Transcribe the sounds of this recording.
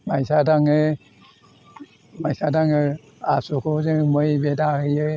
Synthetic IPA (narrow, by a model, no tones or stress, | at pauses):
majsadaŋɯ | majsadaŋɯ | asukʰozɯmɯjbedahɯjɯ